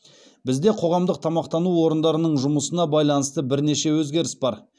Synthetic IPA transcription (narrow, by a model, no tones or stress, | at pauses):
bɪzd̪e̞qʰo̞ʁɑmd̪əq̚t̪ʰɑmɑqt̪ɑnuwo̞ɾənd̪ɑɾənəɴʒʊməsənɑbɑjlˠɑnəst̪əbɪɾne̞ʃe̞wɵzɡʲe̞ɾɪsbɑɾ